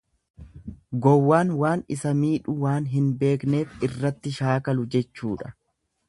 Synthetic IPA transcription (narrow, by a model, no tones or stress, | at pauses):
ɡɔwːaːnwaːnɪsɐmiːᶑʊwaːnɦɪnbe̞ːkne̞ːfɪrːɐt̪ːɪʃaːkɐlʊd͡ʒɛt͡ʃːuːᶑɐ